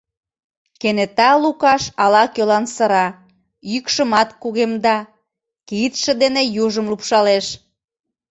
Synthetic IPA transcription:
kenet̪ɑlukɑʃɑlɑkølɑnsə̆ɾɑ | jykʃəmɑt̪kuɣemd̪ɑ | kit̪ʃə̆d̪enejuʒəmlupʃɑleʃ

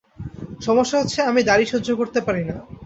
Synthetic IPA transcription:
ʃɔmoʃːaɦot̪ːʰeamid̪aɾiʃud͡ʑʱokoɾt̪epaɾina

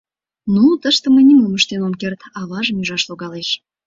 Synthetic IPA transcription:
nut̪əʃt̪ə̆mənʲimuməʃt̪enomkʲert̪ɑβɑʒmʲyʒɑʃlˠoɡɑleʃ

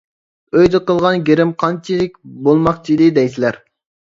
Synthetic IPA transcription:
øjd̪ɪqəlˠʁɑnɡʲeɾɪmqʰɑnt͡ʃʰilɪk̚ʲbolˠmɑqt͡ʃʰid̪ɪd̪ɛjsilæɾ

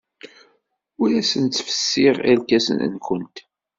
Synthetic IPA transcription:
ʊɾæsənt̪ːfə̥sːɪʁælkæsə̰n̰nkʷənt̪

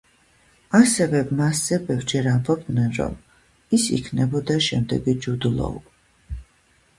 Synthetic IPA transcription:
asɛvɛmasz̥ɛbɛvɾd͡ʒɛɾambɔb̚d̪nɛnɾɔ̰m | isḭkʰnɛbɔd̪aʃɛmd̪ɛ̰ɡid͡ʒud̪ulˠɔ̰ṵ

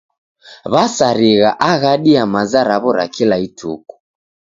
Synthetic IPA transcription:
βasaɾiɣaʔaɣaɗiamazaɾaβɔɾa̰kilaitʰṵku̥

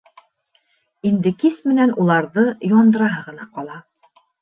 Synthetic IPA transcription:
ind̪ɘkismɘ̆nænulˠɑɾðɤjɒnd̪ɤ̆ɾɑɦɤʁɤ̆nɑqɒlˠɑ

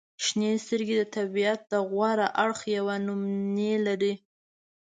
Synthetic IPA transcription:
ʃnest̪əɾɡed̪ət̪abijat̪̚d̪əɣwaɾaʔaɽxjawanʊmnelaɾi

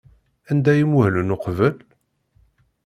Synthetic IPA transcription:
ænd̪æjimuhlənʊqvəl

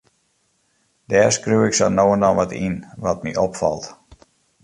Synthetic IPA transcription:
dɛːrskrywɪksɔnoːəndɔnʋɔtḭnʋɔt̚miʔɔpfa̰lˠt

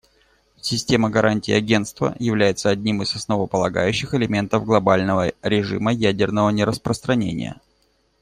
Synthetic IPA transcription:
sʲɪsʲtʲe̞məɡɐɾʔanʲtʲɪːɐɡʲe̞nt̪st̪və̰jɪvlʲæjɪt̪səɐdʲnʲimɨzɐsnəvəpəlˠɐɡa̰jʉɕːɪxɪlʲɪmʲe̞nt̪əvɡlˠɐbalʲnəvəɾʲɪʐɨ̰məjædʲɪrnəvənʲɪɾəspɾəst̪ɾɐnʲḛnʲɪ̰jə̰

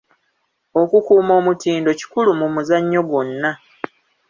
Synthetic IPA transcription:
o̞kukuːmo̞ːmutiːndo̞ci̥kulumumuzaɲːo̞ɡo̞nːa

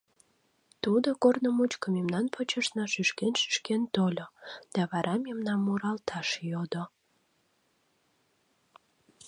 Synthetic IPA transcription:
t̪ud̪okornəmut͡ɕkəmemnɑnpʰot͡ɕəʃnɑʃyʃkenʃy̥ʃkent̪olʲod̪̥ɑβɑɾʔɑmemnɑmːuɾɑlt̪ʰɑʃjod̪o

